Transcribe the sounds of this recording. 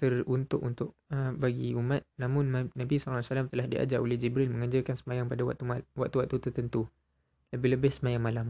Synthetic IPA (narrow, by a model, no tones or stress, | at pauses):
t̪ərunt̪ʊ̰ʔunt̪ʊʔ̚əbaɡiumãt̪̚nãmʊ̃nnãbisɔlsalamt̪əlahdiʔa̰d͡ʒaʔolɛhd͡ʒibɾɪlmə̃ŋaɲd͡ʒakansəmajaŋpadaw̪uwaʔ̚t̪uwaʔt̪ːut̪ərt̪ənt̪u | ləbɪhləbɪhsəmajaŋmalam